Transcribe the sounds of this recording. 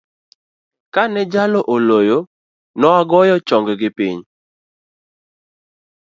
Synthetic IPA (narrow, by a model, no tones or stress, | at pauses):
kanɛd͡ʒaloʔolojo | nɔaɡɔjɔt͡ʃɔŋɡɡɪpiɲ